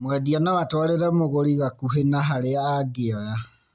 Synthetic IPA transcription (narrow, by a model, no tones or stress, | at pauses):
mwɛdianawatwɔɾeɾɛmoɣoɾiɣakuɦenaɦaɾeaɡeɔja